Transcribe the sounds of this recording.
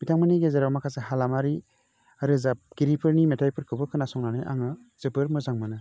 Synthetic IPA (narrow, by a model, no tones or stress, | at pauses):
b̥itʰaŋmaniɡezeɾawmakʰaseɦalamaɾi | aɾɯzab̚ɡ̥iɾipʰɯɾnimetʰajpʰɯɾkʰɯbɯkʰɯnasɔŋnanɯjʔa̰ŋɯ | z̥ɯbɯɾmɯzaŋmɯnɯ